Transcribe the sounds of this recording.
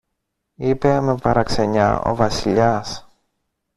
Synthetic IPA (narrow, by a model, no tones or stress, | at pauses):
ipe̞me̞pɐɾɐkse̞ɲɐ̰o̞̰vɐsiʎɐs